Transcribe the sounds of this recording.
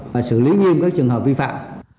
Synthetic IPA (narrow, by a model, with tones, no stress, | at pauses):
vaː˨˩sɨ̰˧˨li˨˦ŋi˧əmkaː˦˥k̚t͡ɕɨ˨˩əŋɦəː˨˩p̚vi˧fa̰ː˧˨m